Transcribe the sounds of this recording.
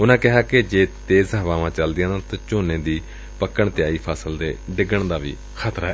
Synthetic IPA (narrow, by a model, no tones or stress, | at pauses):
ʊnãːkɪɦaːked͡ʒeːt̪eːzaːʋaːʋãːt͡ʃəld̪ɪjãːãːt̪ãːt͡ʃoːnẽːd̪iː | pəkːəɳt̪ɪjaːiːpʰaːsəld̪ḛːɖɪɡəɳd̪aːʋḭː | xʰət̪ɾaɦɛ